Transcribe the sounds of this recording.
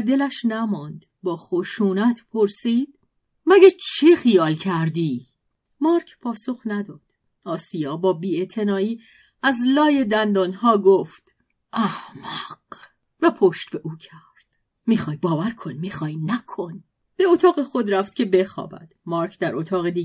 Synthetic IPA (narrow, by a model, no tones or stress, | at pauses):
d̪e̞læʃnæmɒnd̪ | bɒːxoʃuːnæt̪ʰpʰo̞ɾsiːd̪̥ | mæɡæt͡ʃʰixijɒːlcʰæɾd̪iː | mɒːɾkʰpʰɒːso̞xnæd̪ɒːd̪̥ | ʔɒːsijɒːbɒːbiːe̞t̪ʰe̞nɒːiː | æzlɒːje̞d̪ænd̪ɒːnɦɒːɡoft̪ | ʔæhmæq | væpʰoʃt̪beʔuːcʰæɾd̪̥ | miːxɒːjbɒːvæɾkʰo̞nmiːxɒːjnækʰo̞n | b̥e̞ot̪ʰɒːɣe̞xo̞d̪ɾæft̪̚cʰe̞be̞xɒ̰ːbæ̰d̪̥mɒːɾkʰd̪æɾʔot̪ʰɒːɣed̪i